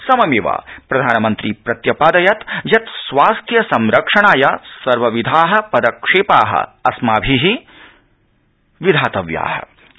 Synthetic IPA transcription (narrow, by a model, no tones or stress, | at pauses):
sɐmɐmeʋa̰ːpɾɐd̪ʱaːnɐmɐnt̪ɾipɾɐt̪jɐpaːd̪ɐjɐt̪jɐt̪sʋaːst̪ʰjɐsɐmɾɐkʂɐɳaːjasɐɾʋɐʋid̪ʱaːɦɐ̆pɐd̪ɐkʂeːpaːɦɐ̰ɐsmaːbʱiɦi | ʋid̪ʱaːt̪ɐʋja̰ːɦɐ̰